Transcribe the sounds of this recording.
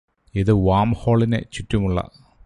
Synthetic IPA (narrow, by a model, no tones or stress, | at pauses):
iðɨʋaːmho̞ːɭinḛt͡ɕutːumuɭːɐ̰